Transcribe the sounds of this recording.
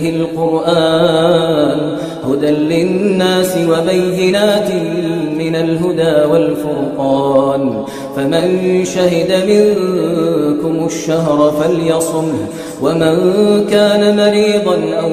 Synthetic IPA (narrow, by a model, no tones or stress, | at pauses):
hɪlqʊɾʔaː | n | hʊd̪anlɪnːaːsɪwabajːɪnaːt̪ɪmɪnalɦʊd̪aːwalfʊɾqɑːn | famanʃaɦɪd̪amɪŋ | kʊmʊʃːaɦɾˤfaljɑsˤʊm | wamankaːnamaɾiːd̪ˤɑnʔaw